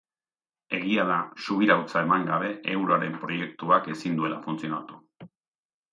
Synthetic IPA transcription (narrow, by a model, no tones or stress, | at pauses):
e̞ɣiaðasuβiɾawt͡sae̞maŋɡaβ̞e̞ʔewɾoaɾe̞mpɾo̞je̞kt̪uake̞sind̪ue̞lafunt͡sio̞nat̪u̥